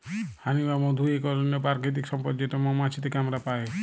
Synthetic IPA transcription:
hanibamɔd̪ʱuekɔɾɔnɔpaɾket̪̬iksɔmpɔd͡ʒet̪ɔmɔmat͡ʃʰit̪ikamɾapae

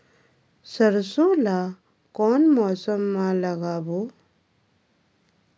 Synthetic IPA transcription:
səɾsõla | kɔːnmɔsəmːãləɡaːbo

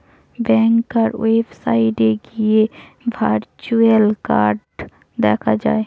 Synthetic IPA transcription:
bɛ̃ːŋkːəɾweːpsaːɪɖeɡie | bʱəɾt͡ʃuelkaːɾɖ | d̪ɛːkʰad͡ʒa̰ːe

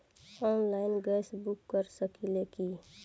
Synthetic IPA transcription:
ɔːnlaːɪnɡɛsbukːəɾsəkileki

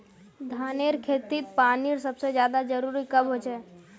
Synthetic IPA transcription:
d̪ʱaːneɾkʰeːt̪it̪̚paːniɾsəbsed͡ʒjaːd̪ad͡ʒəɾuːɾikəbɦot͡ʃɛː

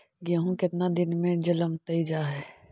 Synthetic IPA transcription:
ɡaɦũkɪt̪nad̪ɪnmẽd͡ʒɐləmt̪ɐid͡ʒaːɦɛː

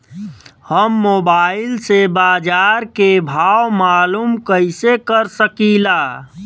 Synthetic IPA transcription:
həmːobailsebaːd͡ʒaɾkebʱawmalumkəɪsekəɾsəkila

